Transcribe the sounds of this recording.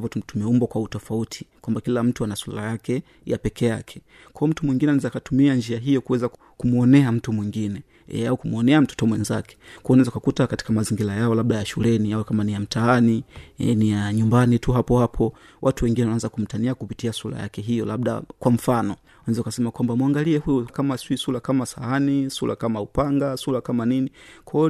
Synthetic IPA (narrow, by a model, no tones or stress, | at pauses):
vɔtum̩tumiɛumbɔkwautɔfautʰi̥kwambakilam̩tuanaswalajakɛ | ja̰pɛkɛjakʰɛ̥ | kwaɔm̩tumwiŋɡinɛanizakatumiand͡ʒiaɦijɔkuwɛza | kumuɔnɛam̩tumwiŋɡinɛ̰ | aukumuɔnɛam̩tɔ̥tɔmwɛnzakɛ̥kwɔɔnɛzakakutakati̥kamaziŋɡilajaɔlaɓɗajaʃulɛniawɛkamanijam̩tʰaaniɛ̰nijaɲumbanituɦapɔhapʰɔ | wʔatuwɛŋɡinɛwananzakum̩taniakupitiasula̰ja̰kɛɦijɔlabɗa̰kwam̩fanɔ | anɛzakasɛmakwambamwaŋɡaliɛhujukamasisulakamasaanisula̰kamaupaŋɡasulakamaninikʰɔ